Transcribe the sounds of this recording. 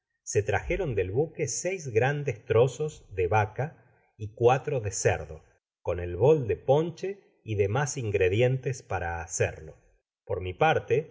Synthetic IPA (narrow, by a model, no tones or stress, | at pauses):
se̞t̪ɾaxeɾo̞nd̪e̞lβukesɛjzɣɾand̪est̪ɾo̞so̞zðeβaka | ikwat̪ɾo̞ðesḛɾðo̞̰ | ko̞nelβo̞ld̪e̞po̞nt͡ʃe | iðe̞masiŋɡɾeðje̞nt̪espaɾaːsḛɾlo̞̰ | poɾmipaɾt̪e